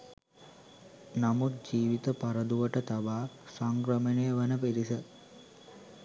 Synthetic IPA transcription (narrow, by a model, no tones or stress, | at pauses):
namut̪̚d͡ʒiːʋit̪əpaɾəd̪uʋəʈət̪aʋaːsaŋkɾəmənejəʋənəpiɾisə